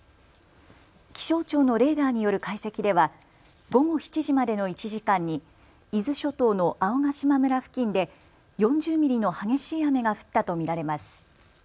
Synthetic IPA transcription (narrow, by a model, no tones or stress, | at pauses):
kʲi̥ɕo̞ːt͡ɕo̞ːno̞ɾe̞ːd̪aːɲ̟ijo̞ɾɯ̟kaise̞kʲid̪e̞β̞a | ɡo̞ɡo̞çi̥t͡ɕiʑimad̪e̞no̞it͡ɕiʑikãɲ̟ːi | izɨɕo̞t̪o̞ːno̞ʔao̞ɡaɕimamɯ̟ɾaɸɯ̟̥kʲĩnd̪e̞ | jõ̞ɲd͡ʑɨːmʲiɾʲino̞haɡe̞ɕiːame̞ɡaɸɯ̟̥t̪ːat̪o̞mʲiɾaɾe̞masɨ̥